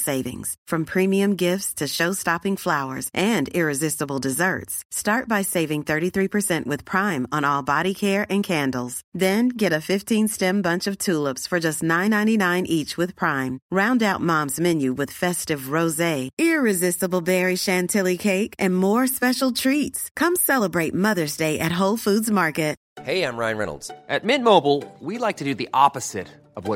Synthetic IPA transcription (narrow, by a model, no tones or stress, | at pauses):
seɪvɪ̰̃ŋz̥fɹʌ̃mpʰɹ̥ĩmiɨ̃mɡɪftstʰɨʃoʊstɑpɪ̃ŋflaʊə̰˞zʔɨ̃nɪɹɨzɪstəbl̩ˠdɨzɜ̰˞tsstɑɹt̚b̥aɪseɪvɪ̃ŋθɜ˞ɾiθɹipʰə˞sɛ̃nʔwɨð̥pʰɹ̥ãɪ̃mə̃nɔlˠbɑɾikʰɛɹʔɨ̃nkʰæ̃ndl̩ˠz̥ðɨ̃nɡɛɾɨfɪftʰĩnstɛ̃mbʌ̃nt͡ʃʌv̥tʰulˠəpsfə˞d͡ʒʌstnãɪ̃nːãɪ̃ninãɪ̃nʔit͡ʃwɨð̥pʰɹ̥ãɪ̃mɹãʊ̃ndaʊt̚mɑ̃mzmɛ̃njʉwɨð̥fɛstɨvɹoʊzeɪɪɹɪzɪstəbl̩ˠbɛɹiʃæ̃ntʰɪlˠikʰeɪkɨ̃nmɔɹspɛʃl̩ˠtʰɹ̥itskʰʌ̃msɛlˠəbɹeɪt̚mʌðə˞zdeɪʔɨt̚ɦoʊlˠfudzmɑɹkɨt̚ | heɪãɪ̃mɹãɪ̃nɹɛ̰̃nl̩ˠdzʔɨt̚mɪ̃nmoʊbl̩ˠwilaɪk̚tʰɨdɨðiʔɑpɨz̥ɪ̰ɾ | ʌvwʌ